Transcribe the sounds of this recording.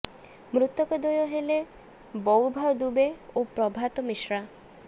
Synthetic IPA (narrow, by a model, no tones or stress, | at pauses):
mɾut̪ɔkɔd̪ɔjɔɦele | bɔwbʱawd̪ubeopɾɔbʱat̪ɔmiʃɾa